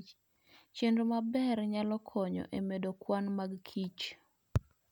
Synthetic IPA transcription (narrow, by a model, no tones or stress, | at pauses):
t͡ʃendomabɛrɲalɔkʰɔɲɔ̰ʔemedokwanmaɡkʰit͡ʃ